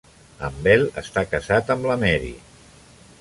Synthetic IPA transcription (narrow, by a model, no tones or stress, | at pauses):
ə̰mbɛlə̰st̪akəzat̪əmbləmɛɾḭ